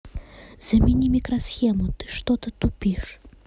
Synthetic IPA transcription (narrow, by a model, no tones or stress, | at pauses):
z̥ɐmʲinʲimʲikɾɐsxʲɛmut̪ɨ̥ʂt̪ɔt̪ɨt̪upʲiʂ